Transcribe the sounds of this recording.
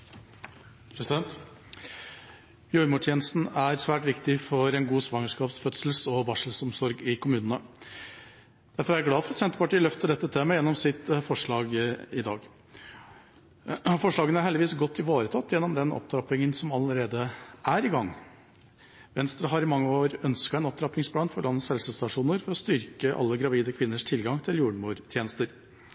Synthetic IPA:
pʰɾɛsɪd̪ɛnt̪ | jœʏmʊʈʰjeːnəst̪n̩æɾsʋæːʈʋɪkt̪ɪfɔɾɛnɡuːsʋɑŋəʂkɑːpsfœt̪sl̩sɔʋɑʂl̩sɔmsɔɾɡɪkʊmʉːnənə | d̪̥æɾfɔɾæɾæɡlɑːfɔɾɑt̪sɛnt̪əpɑʈiːəlœft̪əɖɛt̪ːət̪ʰeːməjɛnːɔmsɪt̪fɔʂɭɑːɡɪd̪ɑ̰ːɡ | fɔʂɭɑːɡənəæɾhɛld̪ɪʋiːsɡɔt̪ʰːɪʋoːɾət̪ʰɑt̪ːjɛnːɔmd̪ɛnɔ̰p̚t̪ʰɾɑpɪŋənsɔmɑləɾeːd̪əʔæɾɪɡɑŋː | ʋɛnst̪ɾəɦɑɾɪmɑŋːəoːɾœnskɑæɪnɔp̚t̪ɾɑp̪ɪŋspʰlɑːnfɔɭɑnːəsɛlsəst̪ɑʂuːnəɾfɔɾɔst̪ʏɾkəʔɑ̰lːəɡɾɑʋiːd̪əkʰʋɪnːəʂt̪ʰɪlɡɑŋt̪ʰɪljuːɖmuːɾt̪ʰjeːnəst̪əɾ

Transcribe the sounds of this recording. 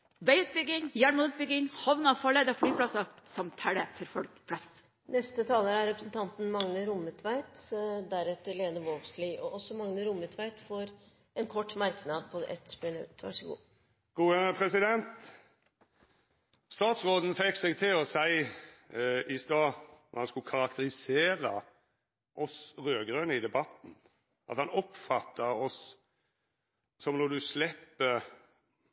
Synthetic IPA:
ʋæɪʉt̪̚bʏɡɪŋjæːɳmɑnʉt̪̚bʏɡɪŋhɑʋnɑʋfɑːɭeːd̪əɔflyːpʰɽɑsɑsɔmt̪ʰæɽət̪ʰɪɾfɔlkpʰlɑst̪ | nɛst̪ət̪ʰɑːləɾæɾɾɛpɾəsn̩t̪ʰɑnt̪n̩mɑŋnəɾʊmət̪ʰʋæɪt̪d̪æɾɛt̪ːəɾleːd̪əʋɔlɡsliːʔɔʔɔsɔmɑŋnəɾʊmət̪ʰʋæɪt̪foɾ | ɛnkʰɔʈːmɑɾknɑd̪̚pʰɔʔɛ̰t̪spɪnʉ̰t̪ːʋɑ̰ʂəɡṵː | ɡ̥uːəpʰɾɛsɪd̪ɛnt̪ | st̪ɑːt̪sʁoːd̪nfɛkːsɛɡt̪ʰɪlɔsæɪ | ɪst̪ɑːhɑnskʉkʰɑɾɑkt̪əɾɪseːɾɑ | ʔɔsʁøːɡɾœnəɪd̪ɛbɑt̪n̩ | ʔɑ̰t̪hɑnɔpfɑt̪ʰːɑɔs | sɔmnɔd̪ʉslɛpːə

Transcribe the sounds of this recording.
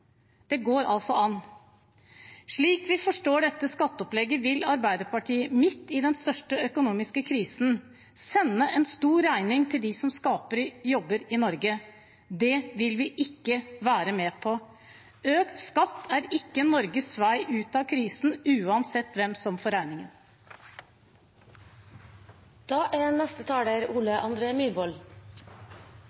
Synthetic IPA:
d̪̥ɛɡoːɾɑ̰lsɔʔɑn | ʂɭiːkʋɪfɔʂʈoːɖɛt̪ːəskɑt̪ːɔplɛɡːəʋɪlɑɾbæɪd̪əɾpʰɑʈʰiːəmɪt̪ːɪd̪ɛnst̪œʂʈəœkʊnuːmɪskəkʰɾiːsn | sɛnːəʔɛnst̪uːɾæɪnɪŋt̪ʰɪld̪ɪsɔmskɑːpəɾjɔbːəɾɪnɔɾɡə | d̪ɛʋɪlʋɪʔɪkːəʋæːɾəmɛːpʰɔ | øːkt̪skɑt̪ʰːæːɾɪkːənɔɾɡəsʋæɪʔʉːt̪ɑkʰɾiːsn̩ʉːɑnsɛt̪ːʋɛmsɔmfɔɾæɪnɪŋən | d̪̥ɑːʔænɛst̪ət̪ʰɑːɖeːɾuːləʔɑnd̪ɾeːmyːɾʋɔl

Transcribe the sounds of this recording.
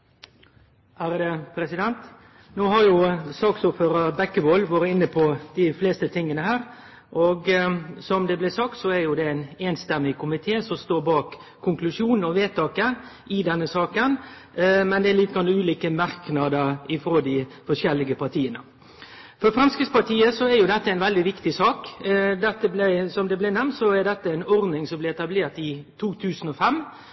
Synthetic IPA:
hæːɾəd̪əpʰɾɛsɪd̪ɛnt̪ | noːɦɑɾjʊsɑːksuːføːɾɑbɛkːəboːlʋɑːɾəɪnːəpʰɔd̪̥ɪfleːst̪ət̪ʰɪŋːənəhæːɾ | ʔɔɡsɔmd̪ɛblɛsɑk̚t̪sɔæɾjʊd̪ɛɪneːnst̪ɛmːɪkʰʊmɪt̪ʰeːsɔst̪oːɾbɑːkʰː | ʊŋklʉʂjuːnɔʋeːt̪ʰːɑːkəʔɪd̪ɛnːəsɑːkən | mɛnd̪ɛæɾlit̪əɡɾɑnːɔʉːliːkəmɑɾknɑd̪əɾɪfɾoːd̪ɪfɔʂɛlːɪɡəpʰɑɾt̪ʰiːənə̰ | fɔɾfɾɑnskəspɑɾt̪ʰiːəsɔæɾjʊd̪ɛt̪ːəæɪnʋɛld̪ɪʋɪkt̪ɪsɑːkd̪ɛt̪ːəblæsɔmd̪ɛblɪnɛmnt̪sɔæɾɖ̪ɛt̪ːəɛɪnɔɾnɪŋsɔmblɪɛt̪ɑbleːɾt̪ɪt̪ʰuːt̪ʰʉːsən̩ɔfɛmː

